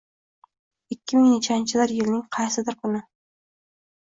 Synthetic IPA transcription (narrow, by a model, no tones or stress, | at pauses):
ɪkʲːɪmɪŋnɪt͡ʃʰant͡ʃʰɪd̪ɪɾjɪlnɪŋqʰɑjsɪd̪ɪɾkʰʊnɪ